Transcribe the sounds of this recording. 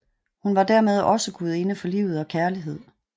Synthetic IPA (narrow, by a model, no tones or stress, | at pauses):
hunʋɑ̈d̥æɐmeð̞ˠɒ̽səɡ̥uð̞̩ˠe̝nəfɒ̽lḭːʊð̩ˠɒ̽kʰæɐliɦe̝ð̞̰ˠ